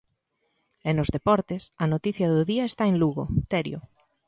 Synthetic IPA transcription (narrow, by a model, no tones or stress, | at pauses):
enozðepɔɾt̪esanot̪iθjaðoðiaest̪aenluɣot̪eɾjo